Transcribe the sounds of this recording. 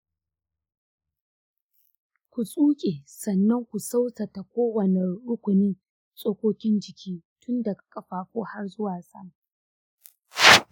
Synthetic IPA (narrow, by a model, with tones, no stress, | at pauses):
kʷu˨sʼuː˦kʲʼe˨sɐ˨nːɐ˦ŋkʷu˨sa˦wsɐ˨ta˨kʷoː˦wɐ˨ne˨ɽʊ˦kʷʊ˨nɪ˦n | sʼoː˦kʷoː˦kʲɪ˦nd͡ʒɪ˨kʲʰiː˦tʊ˦nda˨kḁ˨kʼɐ˦ɸaː˨kʷoː˦ha˦rzʊ˦waː˨sɐ̰˦ŋ